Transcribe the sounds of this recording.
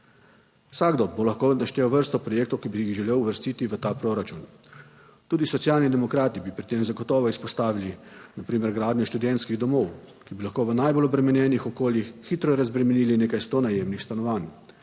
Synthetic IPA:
saɡd̪ɔd̪̚bolaxkonaʃt̪ɛːwʋəɾst̪ɔpɾɔjeːk̚t̪ɔwkibiixʒɛleːwuʋəɾst̪iːt̪iʋət̪aːpɾoɾat͡ʃun | t̪uːd̪isɔt̪sjaːlnid̪ɛmɔkɾaːt̪ibipɾit̪eːmzaɡɔt̪ɔːʋɔispɔst̪aːʋilinapɾiːmɛɾɡɾaːd̪nʲjɔʃt̪ud̪ɛnt̪skiɣd̪ɔmɔwkibilaxkoːʋənajbolɔbɾɛmɛnjɛnixɔkoːljixːiːt̪ɾɔɛɾazbɾɛmɛniːlineːkajst̪oːnajeːmnixst̪anɔʋaːn

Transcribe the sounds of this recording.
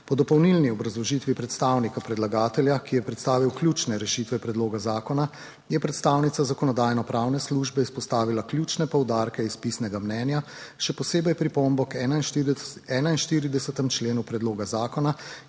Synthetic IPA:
pɔd̪ɔpɔwnilniɔbɾazlɔʒit̪ʋipɾɛt̪st̪awnikapɾɛd̪laɡaːt̪ɛljakijɛpɾɛt̪st̪aːʋiwklʲjut͡ʃnɛɾɛʃit̪ʋɛpɾɛd̪loːɡazaːkɔna | jɛpɾɛt̪st̪aːwnit̪sazakɔnɔd̪aːjnɔpɾaːwnɛsluʒbɛispɔst̪aːʋilaklʲjut͡ʃnɛpɔwd̪aːɾkɛispisnɛɡamnɛːnjaʃɛpɔseːbɛjpɾipombɔkɛnainɛːnainʃt̪iːɾid̪ɛsɛt̪ɛmt͡ʃleːnupɾɛd̪loːɡazaːkɔna

